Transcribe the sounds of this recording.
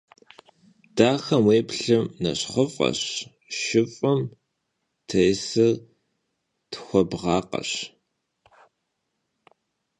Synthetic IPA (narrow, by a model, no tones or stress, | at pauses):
d̥aːxɐmweːpɬɨmnɐ̰ɕχəfʼqʼɐ̰ɕ | ʃɪfʼʊm | tʰɐjsɨ | tʰxʷɔbʁɑːqɐ̰ɕ